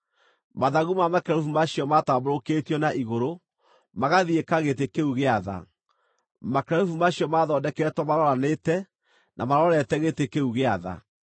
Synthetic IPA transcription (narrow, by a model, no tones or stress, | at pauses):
maðaɣumamakaufumaɕiɔmataːboɾoketiɔnaʔiɣoɾo | maɣaðiekaɣetekeuɣeaða̰ | makɾɛufumaɕiɔmaðɔːdɛkɛtwɔmaɾɔɾanetɛ | nʔamaɾɔɾɛtɛɣetekeuɣeaða̰